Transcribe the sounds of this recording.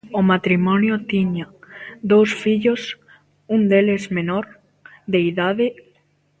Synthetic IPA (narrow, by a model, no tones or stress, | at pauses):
omat̪ɾimɔnjot̪iɲad̪owsfiʎos | und̪elezmenoɾ | ðeiðaðe